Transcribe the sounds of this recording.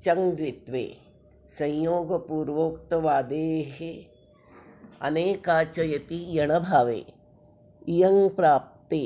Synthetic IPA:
t͡ʃɐŋɾit̪ʋḛː | sɐ̃jjoːɡɐpuːɾʋoːk̚t̪ɐʋaːd̪eːɦe | ɐ̰neːkaːt͡ʃɐjɐt̪ijɐɳɐbʱaːʋḛː | ijɐŋpɾaːp̚t̪eː

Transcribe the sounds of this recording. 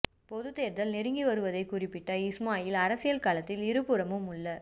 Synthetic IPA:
pɔðɯt̪ːeːɾt̪ɐlnɪɾɪŋɡiʋɐɾɯʋɐðɐɪkʊrɪpːɪʈːɐɪsmaːjɪlɐɾɐsɪjɐlkaːlɐt̪ːɪlɪɾɯpːɯɾɐmɯmɯɭːɐ

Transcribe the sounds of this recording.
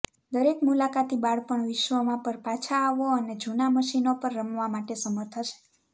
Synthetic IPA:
d̪əɾekmulakat̪ibaɭpəɳʋɪʃʋəmãpəɾpat͡ʃʰaːʋoəned͡ʒunaməʃinopəɾːəmʋamaʈesəməɾt̪ʰət͡ʃʰe̥

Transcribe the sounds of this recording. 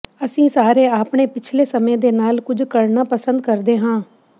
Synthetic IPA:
əsĩːsaːɾeːaːpɳ̃eːpɪt͡ʃʰleːsəmẽːd̪eːnaːlkʊd͡ʒkəɽnaːpəsə̃nd̪kəɾd̪eːɦãː

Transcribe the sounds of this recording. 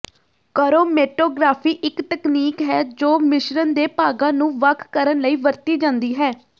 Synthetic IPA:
kəːɾoːmeːʈoːɡɾaːpʰiːʔɪkt̪əkniːkɦɛːd͡ʒoːmɪʃɾənd̪eːpaːɡãːnũːʋəkʰkəɾənləiːʋəɾt̪iːd͡ʒãːnd̪iːɦɛː

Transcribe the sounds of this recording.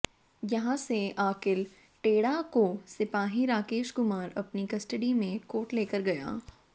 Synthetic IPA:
jɐɦãseaːkɪl | ʈeːɽakosɪpaːɦiɾaːkeːʃɡʊmaːɾɐpnikɐsʈəɖimẽkoːʈleːkəɾɡɐja̰ː

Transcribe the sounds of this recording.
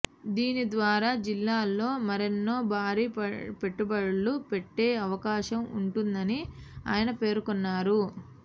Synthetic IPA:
d̪iːnid̪ʋaːɾaːd͡ʒilːaːlːo̞ːmɐɾenːo̞ːbʱaːɾiːpeʈːubɐɽulupeʈːe̞ːɐʋɐkaːʃɐmṵɳʈund̪ɐnia̰ːjɐnɐpe̞ːɾukɔnːaːɾu

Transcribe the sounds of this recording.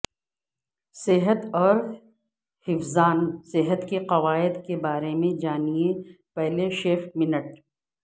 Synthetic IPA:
sɪɦət̪ɔːɾ | hɪfzaːnsɪɦət̪keqɐʋaːɪd̪kebaːɾemẽd͡ʒaːniẽ | pɛɦleʃeːfmɪnəʈ̚

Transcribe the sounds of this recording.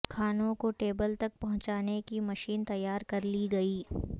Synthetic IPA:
kʰaːnõkoʈeːbəlt̪ɐk̚pɐɦʊ̃t͡ʃaːnekimɐʃiːnt̪ɐjːaːɾkɐɾliɡɐiː

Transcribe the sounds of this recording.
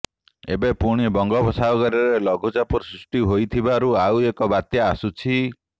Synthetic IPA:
ḛbepuɽ̃ibɔŋɡɔbɔsaɔɡɔɾɔɾelɔɡʱud͡ʒapɔɾsɾusʈiɦojt̪ʰibaɾuawekɔbat̪jaːsut͡ʃʰi

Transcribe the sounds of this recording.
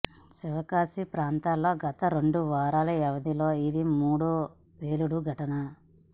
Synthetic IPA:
siʋɐkaːsipɾaːnt̪aːlːo̞ːɡɐt̪ɐɾeɳɖuʋaːɾaːlɐɛʋɐd̪ilo̞ːid̪imuːɽu | peːluɽuɡʱɐʈɐnɐ

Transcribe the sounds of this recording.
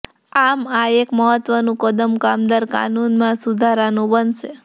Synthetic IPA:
amaekməɦət̪ʋənũkəd̪əmkamd̪aɾka̰nunmãsud̪ʱaɾanũbənʃe

